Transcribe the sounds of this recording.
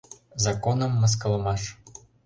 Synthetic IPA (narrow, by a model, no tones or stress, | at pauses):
zɐkɔnɐmːɐs̬kɐlˠɐmɑʂ